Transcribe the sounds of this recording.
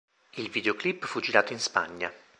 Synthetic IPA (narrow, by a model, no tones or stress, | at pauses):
ilvid̪eoklipːfud͡ʒiɾaːt̪oinspa̰ɲːa